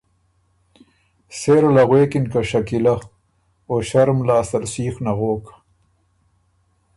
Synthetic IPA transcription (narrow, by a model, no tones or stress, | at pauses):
seɾlaɣweːkinkaʃakila | oːɕaɾmlaːsɐɾsiːxnaɣoːkḁ